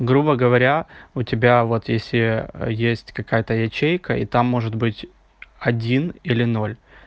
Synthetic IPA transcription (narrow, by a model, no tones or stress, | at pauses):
ɡɾubəɡəvɐɾʲaʊtʲɪbʲavo̞t̪jesʲlʲɪjesʲtʲkɐkajət̪əjɐt͡ɕejkəʔḭt̪amːo̞ʐɨt̪bɨtʲ | ɐdʲinilʲɪno̞lʲ